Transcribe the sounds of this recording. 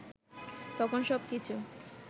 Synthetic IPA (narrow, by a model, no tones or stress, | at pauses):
t̪ɔkʰonʃɔbkit͡ɕʰu